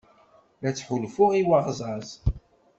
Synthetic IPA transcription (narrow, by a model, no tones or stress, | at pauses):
læt͡sːħʊlfʊʁiwaʁzˤɑz